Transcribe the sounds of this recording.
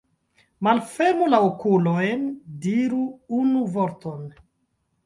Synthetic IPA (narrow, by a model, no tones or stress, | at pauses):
malfeɾmulaokulojndiɾuunuvoɾton